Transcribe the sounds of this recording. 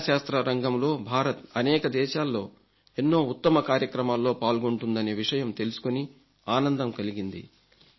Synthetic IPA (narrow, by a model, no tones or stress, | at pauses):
ʃaːst̪ɾɐɾɐŋɡɐmlo̞ːbʱaːɾɐt̪ɐnɛːkɐd̪ɛːʃaːlːo̞ː | e̞nːo̞ːut̪ːɐmɐkaːɾjɐkɾɐmaːlːo̞ːpaːlɡo̞ɳʈund̪ɐne̞ːʋiʂɐjɐmt̪e̞lusu̥koni | aːnɐnd̪ɐmkɐliɡind̪ḭ